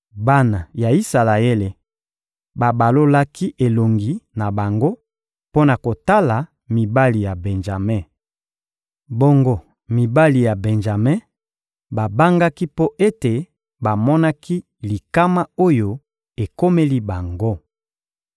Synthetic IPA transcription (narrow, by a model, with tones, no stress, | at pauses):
ba˦na˨ja˨i˦sa˨la˨e˦le˨ | ba˨ba˨lo˦la˦ki˦ʔe˨lo˨ŋɡi˨na˨ba˨ŋɡo˦ | po˦na˨ko˨ta˦la˨ | mi˨ba˦li˨ja˨bɛ˨nʒa˨mɛ˦˨ | bo˦ŋɡo˦ | mi˨ba˦li˨ja˨bɛ˨nʒa˨me˦ | ba˨ba˦ŋɡa˦ki˦po˦ʔe˦te˨ | ba˨mɔ˦na˦ki˦ | li˨ka˦ma˦o˦jo˦ | e˨ko˦me˦li˦ba˨ŋɡo˦